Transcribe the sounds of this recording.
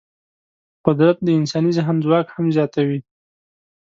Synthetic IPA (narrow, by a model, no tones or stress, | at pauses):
qʊd̪ɾat̪̚d̪əɪnsɑnizaɦanzwɑkhamzjɑt̪awi